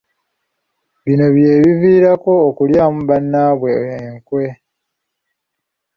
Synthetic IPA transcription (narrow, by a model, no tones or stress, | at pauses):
βino̞βje̞ːβiviːɾako̞ːkuljaːmuβanːaːβweeŋkwe̞